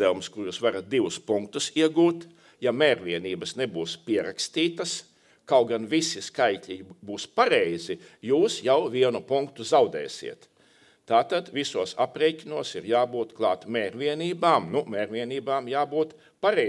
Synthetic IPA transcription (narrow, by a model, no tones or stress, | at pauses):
ɛlˠmskuɾjusʋaɾat̪̚d̪iʋʊspuŋkt̪usiɛɡuːt̪ | jamɛːɾʋʲiɛniːbɐsnebuːspiɛɾakst̪iːt̪ɐs | kawɡanʋisiskajkʲʎʲibuːspaɾɛjzijuːsjawviɛnupuŋkt̪uzawd̪ɛ̰ːsḭɛt̪ | t̪aːt̪ad̪visuɔsapɾɛjcʲinuɔsiɾjaːbuːt̪klˠɑːt̪mɛːɾʋʲiɛniːbaːmnumɛːɾvʲiɛniːbaːmjaːbuːt̪ | paɾɛ